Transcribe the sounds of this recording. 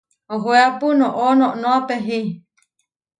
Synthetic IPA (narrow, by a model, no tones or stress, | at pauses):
oɦoeapunõʔonõʔnõapeɦi